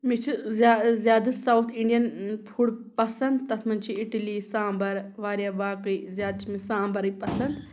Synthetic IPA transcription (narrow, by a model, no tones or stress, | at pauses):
mit͡ʃʰizazjaːd̪ɐsawt̪ʰiɳɖijɐnpʰuɽpɐsɐnd̪t̪ɐt̪ʰmɐnt͡ʃʰiiʈilisãːmbɐɾʋaːɾjaːbaːkɐizjaːd̪t͡ʃʰmisãːmbɐɾɨpɐsɐnd̪